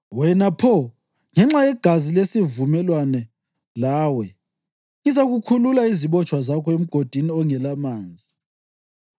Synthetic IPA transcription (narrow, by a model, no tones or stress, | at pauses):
wɛnapʰɔ | ŋɛŋ͡ǁajɛɡ̥ʱazilesivumɛlwanɛ | laːwɛ | izaɣukʰululaiziβɔt͡ʃʰʼwazakʰɔem̩ɡ̥ʱod̥ʱiniɔŋɛlamaːnd͡zʱi